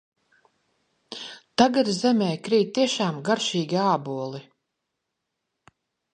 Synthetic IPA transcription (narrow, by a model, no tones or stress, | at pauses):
t̪aɡad̪zɛmʲɛːkɾiːt̪iɛʃaːmɡaɾʃiːɡʲiaːbuɔlˠi